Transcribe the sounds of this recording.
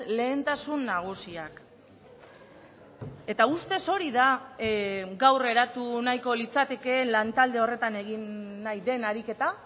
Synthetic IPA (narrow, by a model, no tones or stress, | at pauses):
le̞ːnt̪asunːaɣ̞usiak | e̞t̪aust̪e̞so̞ɾiða | ɡawre̞ɾat̪unajko̞lit͡sat̪e̞ke̞ːnlant̪ald̪e̞o̞re̞t̪ane̞ɣinːajðe̞naɾike̞t̪a